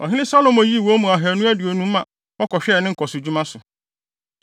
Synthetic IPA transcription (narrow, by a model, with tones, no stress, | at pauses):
ɔ̰˨ɦɪ˦lɪ̃˦sa˦lo˨mɔ˨ji˦˨wo˦mũ˨a˨ɦæ˨nũ˦æ˦dɪ˨o˨nũ˦m̩˦ã˨ | ɔ˦kʰɔ˨ɕᶣɛ˦˨nɪ̃˦ŋ̩˨kʰɔ˨sʊ˨d͡ʑu˦mã˦sʊ˨